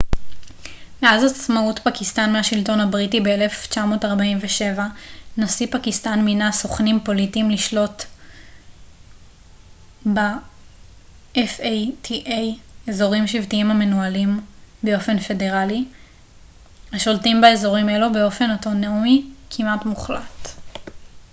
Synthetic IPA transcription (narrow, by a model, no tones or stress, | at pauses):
meazat͡smautpakistanmeɦaʃilto̞nhabʁitibeele̞ft͡ʃamo̞ːtaʁbaimveʃe̞vanasipakistanminaso̞χnimpo̞litimliʃlo̞t | ba | ʔefejtʰiʔejezo̞ʁimʃivtiimame̞nualimbe̞o̞fe̞nfe̞de̞ʁali | haʃo̞ltimbaezo̞ʁimelobeo̞fe̞noto̞neumikʰimatmuχla̰t